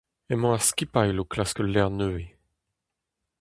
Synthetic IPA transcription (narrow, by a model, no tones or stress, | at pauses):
ɛmɔ̃askʲipajloklaskəlːɛʁnøe